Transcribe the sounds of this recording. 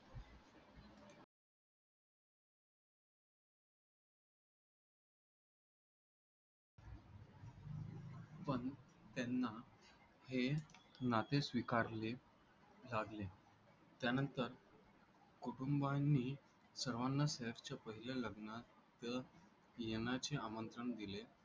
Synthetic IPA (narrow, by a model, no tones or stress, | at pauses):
pəɳt̪anːa | henat̪esʋikaɾle | laɡle | t̪janənt̪əɾ | kuʈumbanːiː | səɾʋanːaseft͡ɕjapəɦileləɡna | t̪ə | jeñat͡ɕeamənt̪ɾəɳd̪ile